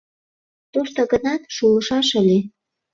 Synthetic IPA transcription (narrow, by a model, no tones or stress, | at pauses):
t̪oʃt̪oɣə̆nɑt̪ʃulə̆ʃɑʃəle